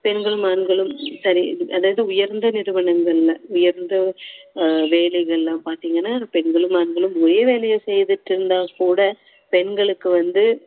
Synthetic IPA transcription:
pɛnɡɐɭɯmaːnɡɐɭɯmsɐɾiʔɐðaːʋɐðɯʊjɐɾnd̪ɐnɪɾɯʋɐɳɐŋɡɐɭlɐʊjɐɾnd̪ɐ | ʋeːlɛɣɐɭlãːpaːɾt̪iːŋɡɐnːaːpɛnɡɐɭɯmaːnɡɐɭɯmɔɾɐjɐʋeːlɛɣɐsɛjðɯʈːɪɾɯnd̪aːkuːɽɐ | pɛnɡɐɭɯkːɯʋɐnd̪ɯ

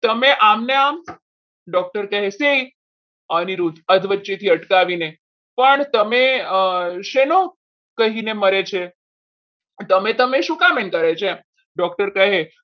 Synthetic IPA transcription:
t̪əmeʔamnja | ɖɔk̚ʈəɾkəɦesei | añiɾut̪əd̪ʋət͡ɕet̪ʰiːəʈkaʋine | pəɳt̪əmẽ | ɕeno | kəɦineməɾet͡ɕʰe | t̪əmẽt̪əmẽɕukamenkəɾajt͡ɕe | ɖɔk̚ʈəɾkəɦe

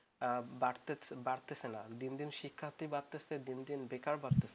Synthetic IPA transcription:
baɽt̪ebaɽt̪esʰenad̪ind̪inʃikʰːat̪ibaɾt̪esed̪ind̪inbekaɾbaɾt̪ese

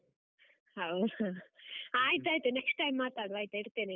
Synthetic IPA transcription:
hɐw | aːjit̪aːjt̪uneksʈːajmːaːt̪aːɽuʋaːjit̪uiɽt̪eːne

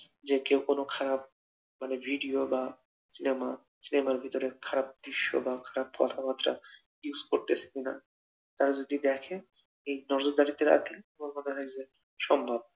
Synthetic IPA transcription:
d͡ʑekewkonokʰaɾab̚ | manebʱiɖioba | sinema | sinemaɾbʱit̪oɾekʰaɾab̚d̪ɾiʃːo̰bakʰaɾab̚kɔ̰t̪ʰapat̪ːɾa̰ | iuskoɾt̪et͡ɕʰe̥kina̰ | t̪aɾad͡ʑod̪id̪ɛkʰe | ejnɔɾd͡ʑod̪aɾit̪eɾa̰t̪lieboŋmoneɦɔjd͡ʑe | ʃɔmbʱab̚

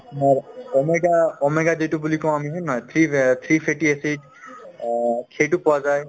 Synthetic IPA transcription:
maɹɔmeɡaɔmeɡad͡ʒetubulikɔ̃amiɦɔnajt̪ʰɹit̪ʰɹipʰeʈiesed͡ʒ | kʰeʈupɔwazaj

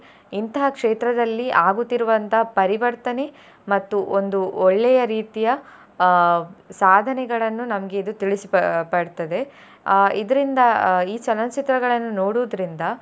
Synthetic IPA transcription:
int̪ɐɦɐkʂeːt̪ɾɐd̪ɐlːiʔaːɡut̪ːiɾuʋɐnt̪ɐɦɐpɐɾiʋɐɾt̪ɐne̞ | mɐt̪ːuʔond̪uɔɭːɛjɐɾiːt̪ijɐ | saːd̪ʱɐnɛɡɐɭɐnːunɐmɐɡe̞id̪ut̪iɭisipɐpɐɽt̪ɐd̪e̞ | id̪ɐɾind̪ɐiːt͡ʃɐlɐnt͡ʃit̪ɾɐɡɐɭɐnːunoːɽuːd̪ɐɾind̪ɐ

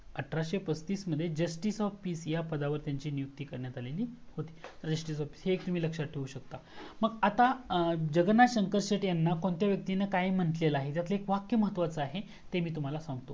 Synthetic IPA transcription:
əʈʰɾaɕepəst̪iːsməd̪ʱːjed͡ʑəsʈisɔʋpiːsjapəd̪aʋəɾt̪jaɲt͡ɕiːnijuk̚t̪iːkəɾɳjat̪aleliːhot̪i̥ːt̪əɾd͡ʑəsʈiːsɔfpi̥ːsɦeːk̚t̪um̤iːləkʂat̪̚ʈʰeuɕək̚t̪aməɡat̪ad͡ʑəɡnaɕəŋkəɾɕeʈjanːakoɳt̪jaʋjək̚t̪inəkajm̤əɳt̪leləaɦet̪jat̪ləekʋakjəməɦət̪ːʋat͡səaɦe | t̪emiːt̪̬um̤alasãŋɡt̪o

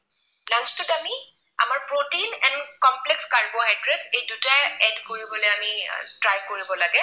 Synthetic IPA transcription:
lant͡ʃtʊtami | a̰maɹpɹotinɛnkɔmplekskaɹboɦadɹesejdutaɛdkoɹibɔlojamitɹajkoɹibɔlaɡɛ

